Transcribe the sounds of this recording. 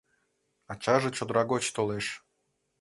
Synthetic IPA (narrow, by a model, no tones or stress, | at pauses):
ɑt͡ɕɑʒə̆t͡ɕod̪ɾɑɡot͡ɕt̪oleʃ